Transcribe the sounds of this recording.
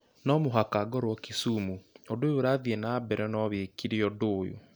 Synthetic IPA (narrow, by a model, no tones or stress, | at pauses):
nɔmoɦakaɡɔɾwɔkisumuodoːjoɾaːðiɛnabɛɾɛnɔβekiɾeɔdojo̰